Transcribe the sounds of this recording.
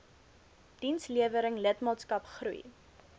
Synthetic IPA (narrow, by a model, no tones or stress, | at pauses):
d̥insliəvəɾəŋlətmɑːtskɐpχrṵj